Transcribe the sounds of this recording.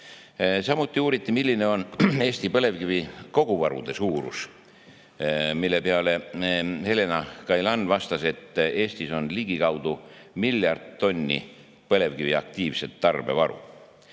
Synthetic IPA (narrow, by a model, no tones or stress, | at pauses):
sɑmut̪ˑːiuːɾit̪ːˑimilʲːine̞o̞ne̞ːsʲt̪ipɤle̞vkiviko̞ɡ̥uvɑɾṵd̪̥e̞suːɾṵs | milːe̞peɑle̞he̞le̞nɑkɑjlɑnːvɑst̪ɑse̞t̪ːˑe̞ːsʲt̪iso̞nliɡ̥ikɑwd̪̥umiljɑrd̪̥̚t̪o̞nʲːḭ | pɤle̞vkiviɑ̰k̚t̪iːvse̞t̪ːɑrb̥e̞vɑɾṵ